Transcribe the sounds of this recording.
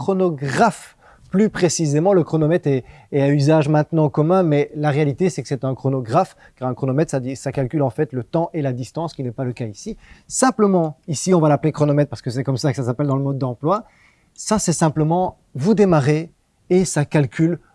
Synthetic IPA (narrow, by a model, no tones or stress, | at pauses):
kχɔnɔɡʁaf | plypχesizemɑ̃ləkχɔnɔmɛt̪ɛ | ɛɛyzaʒmɛ̃t̪nɑ̃kɔmɛ̃mɛlaʁealit̪esɛkə̥sɛt̪ɛ̃kχɔnɔɡʁaf | kaʁɛ̃kχɔnɔmɛt̪saisakalkʲylɑ̃fɛt̪lət̪ɑ̃ʔelad̪ist̪ɑ̃skʲinɛpaləkaisisɛ̃pləmɑ̃isiɔ̃valaplekχɔnɔmɛt̪̚paʁsə̥kəs̬ɛkɔmsakə̥sasapɛld̪ɑ̃ləmɔd̪ːɑ̃plwa | sasɛsɛ̃pləmɑ̃ | vud̪emaʁe | esakalkʲʰyl